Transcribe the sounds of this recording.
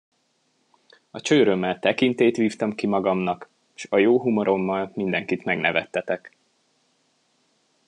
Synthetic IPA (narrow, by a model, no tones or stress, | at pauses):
ɒt͡ʃøːɾømːɛlt̪ɛkint̪eːt̪ʋiːft̪ɒmkimɒɡɒmnɒk | ʃɒjoːɦumoɾʔo̞mːɒlmind̪ɛŋkit̪mɛɡnɛvɛ̰t̪ːɛt̪ɛk